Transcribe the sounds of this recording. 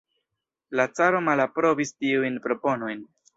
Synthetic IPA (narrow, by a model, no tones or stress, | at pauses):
lat͡saɾo̞malapɾo̞vistiujnpɾo̞po̞no̞jn